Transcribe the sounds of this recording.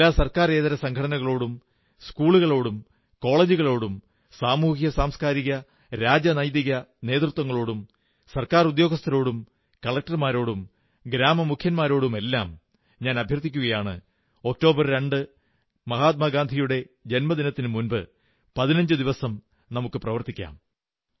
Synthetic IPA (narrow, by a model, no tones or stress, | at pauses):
aːsɐrkaːreːðɐɾɐsɐŋkʰɐɽɐnɐɣɐɭo̞ːɽum | skuːɭuɣɐɭo̞ːɽum | ko̞ːɭeːd͡ʑuɣɐɭo̞ːɽum | saːmuːɦijɐsaːmskaːɾiɣɐ | ɾaːd͡ʑɐnɐjðiɣɐne̞ːt̪rut̪wɐŋːɐɭo̞ːɽum | sɐrkaːrud̪jo̞ːɡɐst̪ʰɐɾo̞ːɽum | kɐɭɐk̚ʈɐrmaːɾo̞ːɽum | ɡɾaːmɐmukʰjɐnmaːɾo̞ːɽume̞lːaːm | ɲaːnɐbʱjɐrt̪ikʲːuɣɐjaːɳɨ̰ | o̞k̚to̞ːbɐrɾe̞ɳɖɨ | mɐɦaːt̪̬̚mɐɡaːnd̪ʱijuɽe̞ | d͡ʑe̞nmɐd̪inɐt̪ːinɨmunbɨ | pɐðinɐɲd͡ʑɨd̪iʋɐsɐm | nɐmukːɨprɐʋɐrt̪ikʲːa̰ːm